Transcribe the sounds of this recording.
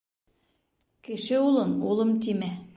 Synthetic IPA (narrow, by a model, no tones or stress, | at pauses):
kɘ̆ʃɘulˠɤnulˠɤmt̪̬imæ